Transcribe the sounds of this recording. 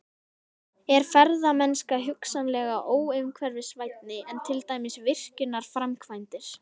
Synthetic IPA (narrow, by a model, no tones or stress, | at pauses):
ɛɾ̥fɛɾðamɛnskaɦʏksanlɛːɣaʔoːwʏkʰvɛɾvɪsvajt̪̚nɪɛnt̪ʰɪlt̪aːjmɪsvɪr̥cʏnːaɾ̥fɾamkʰvajnt̪ɪɾ̥